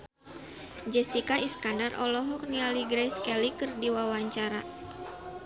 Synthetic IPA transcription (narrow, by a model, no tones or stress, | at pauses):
d͡ʒɛsikaiskandarʔɔ̰lɔɦɔk̚nialiɡɾɛjskɛlikɨrdiwawaɲt͡ʃaɾa